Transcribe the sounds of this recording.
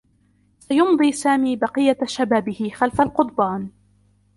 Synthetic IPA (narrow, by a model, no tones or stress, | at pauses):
sajʊmd̪ˤiːsaːmiːbɑqɨjːaʃabaːbɪhɪxalfalqʊt̪ˤbaːn